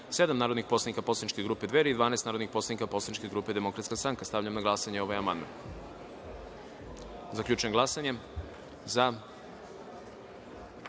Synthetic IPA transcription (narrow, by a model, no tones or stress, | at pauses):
se̞d̪amnaːɾod̪nixpo̞sanikapo̞slˠanit͡ʃkeɡɾuːped̪ʋeɾeid̪ʋaːnaest̪aːɾo̞d̪nixpo̞slˠanikapo̞slˠanit͡ʃkeɡɾuːpe̞d̪emo̞kɾat̪skast̪ɾaŋkast̪avʎamnaɡlˠasaɲeo̞ʋojamand̪ma̰n | zakʎʲuːt͡ʃujemɡlasaɲe̞ | za